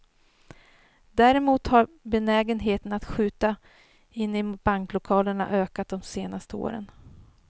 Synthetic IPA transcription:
d̪æːɾɛmuːt̪haɾbɛnɛːɡənɦeːt̪ənat̪ɧʉ̟ːt̪a | ɪnːɪb̥aŋklʊkʰɑːləɳa̰ʔøːkat̪̚d̪ɔmseːnast̪əo̰ːɾə̰n

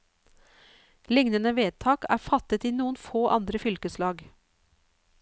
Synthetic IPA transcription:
lɪŋnənəʋeːt̪ʰɑːkæ̰ːɾfɑt̪ət̪iːnuːənfoːʔɑnd̪ɾəfʏlkəslɑːɡ

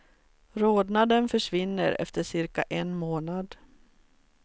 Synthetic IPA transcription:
ɾoːd̪nad̪ənfœʂvɪnːəɾɛ̰ft̪əʂɪɾkaʔɛnmoːnad̪

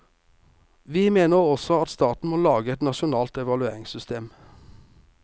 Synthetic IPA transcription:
ʋiːmeːnəʁɔsɔɑt̪st̪ɑːt̪n̩moːlɑːɡəɛt̪nɑʃʊnɑːlt̪ɛʋɑlʉeːʁɪŋsʏst̪ʰeːm

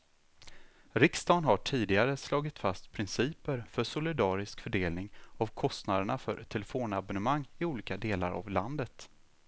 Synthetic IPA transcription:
ɾɪkst̪ɑːnɦaʈʰiːd̪ɪɡaɾəslɑːɡɪt̪fast̪pʰɾɪnsiːpəɾfœʂʊlɪd̪ɑːɾɪskfœɖeːlnɪŋavkʰɔst̪nad̪əɳafœɾʈʰɛlɛfoːnabɔnəmaŋːɪuːliːkad̪eːla̰ɾa̰vland̪ət̪

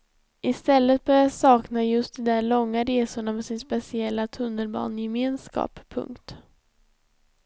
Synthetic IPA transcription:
ʔɪst̪ɛlːət̪̚bœɾjasɑːknajɵst̪̚d̪ɔmd̪æɭɔŋːaɾeːsʊɳamɛsɪnspɛsɪɛlːat̪ʰɵnːəlbɑ̰ːnjɛmeːnskɑ̰ːppʰːɵ̰ŋkt̪

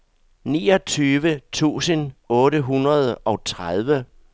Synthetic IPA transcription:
nḭːɒt͡sʰyːʋət͡sʰṵːsənɔ̽ːɾəɦunɐð̞ˠɒ̽t͡sʰʁað̞ˠʋə

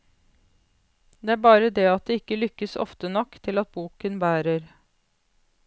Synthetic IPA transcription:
d̪eːæːɾbɑːɾəd̪ɛɑt̪̚d̪eːɪkːəlʏkːəsɔ̰ft̪ənɔkːt̪ʰɪlɑt̪̚buːkənbæːɾəɾ

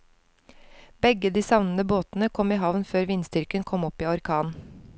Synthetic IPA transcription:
b̥ɛɡəd̪iːsɑʋnən̩əboːt̪n̩əkʰɔmiːɦɑʋnføːɾʋɪnst̪ʏɾkənkʰɔmɔpiːɔɾkʰɑːn

